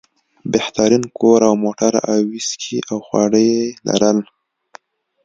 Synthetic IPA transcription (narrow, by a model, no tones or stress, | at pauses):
beht̪aɾinkoɾawmoʈaɾa̰wiskʰiʔawxwɑɽəjela̰ɾəl